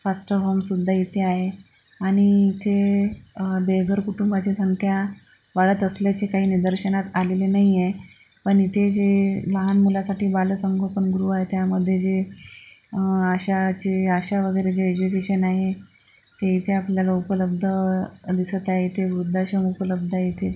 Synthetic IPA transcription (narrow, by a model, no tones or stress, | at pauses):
fasʈəɾɦomsud̪ʱːait̪ʰeaɦe | aɽ̃iːt̪ʰe | beɡʱəɾkuʈumbat͡ɕesəŋkʰja | ʋaɭət̪əsljat͡ɕekaɦiːnid̪əɾɕənat̪alelenaɦije | pəɳit̪ʰed͡ʑeləɦanmulasaʈiːbaləsəŋɡoɭpənɡuɾuːaɦet̪jaməd̪ʱːjed͡ʑe | aɕat͡ɕeaɕaʋəɡəjɾed͡ʑeed͡ʑukeɕənaɦe | t̪eit̪ʰeapljalaupələb̚d̪ʱəd̪isət̪aɦet̪ʰeʋɾud̪ʱːaɕəmupələb̚d̪ʱait̪ʰe